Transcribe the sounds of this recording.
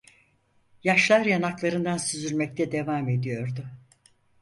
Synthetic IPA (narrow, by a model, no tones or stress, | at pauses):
jaʃlˠaɾjanaklˠaɾɯnd̪ansyzylʲmɛc̚t̪ʰɛd̪e̞vaːme̞d̪ijo̞ɾd̪ʊ